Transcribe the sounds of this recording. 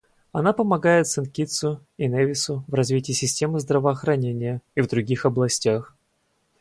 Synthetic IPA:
ɐnapəmɐɡajɪt̪sɨnkʲit̪sʊɪnevʲɪsʊvrɐzvʲitʲɪːsʲɪsʲtʲe̞mɨzd̪ɾəvəːxɾɐnʲenʲɪjəivd̪ɾʊɡʲixɐblˠɐsʲtʲax

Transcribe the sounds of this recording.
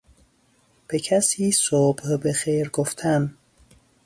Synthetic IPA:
b̥ecʰæsiːsob̥hbexeːɾɡoft̪ʰæn

